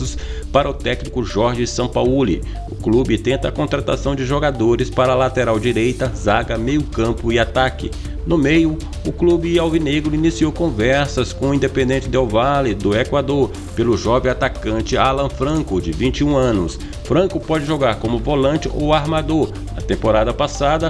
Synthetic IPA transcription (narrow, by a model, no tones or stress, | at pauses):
ʊspaɾɐʊt̪ɛknikʊʒɔɾʒɪsɐ̃w̃paulḭ | ʊklubɪt̪ẽnt̪ɐkõnt̪ɾat̪asɐ̃w̃d͡ʒɪʒoɡad̪oɾɪspaɾɐlat̪eɾawd͡ʒiɾejt̪ɐzaɡɐmejʊkɐ̃pʊɪat̪akɪ̰ | nʊmejʊ | ʊklubɪawvineɡɾʊinisiowkõvɛɾsɐskõʊĩnd̪epẽnd̪ẽnt͡ʃɪd̪awvalɪd̪ʊekwad̪oɾ | pelʊʒɔvẽat̪akɐ̃nt͡ʃɪalɐ̃fɾɐ̃kʊd͡ʒɪvĩt͡ʃɪũɐ̃nʊs | fɾɐ̃ŋkʊpɔd͡ʒɪʒoɡaɾkõmʊvolɐ̃nt͡ʃɪʔowaɾmad̪oɾ | ɐt̪ẽmpoɾad̪ɐpasad̪ɐ